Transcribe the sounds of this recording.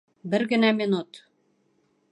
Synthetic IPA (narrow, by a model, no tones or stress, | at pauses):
bɘ̆ɾɣɘ̆næminut̪